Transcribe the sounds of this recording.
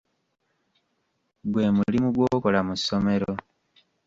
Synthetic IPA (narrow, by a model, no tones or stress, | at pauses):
ɡwe̞ːmulimuɡwoːko̞lamusːo̞me̞ɾo̞